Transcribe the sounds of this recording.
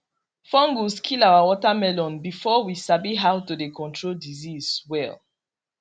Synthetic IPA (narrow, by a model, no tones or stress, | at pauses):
fɔ̃ŋɡuskʰilawawɔtamɛlɔ̃nbifɔwisabiɦawtudekɔ̃ntʰɹoldizizwɛ̰l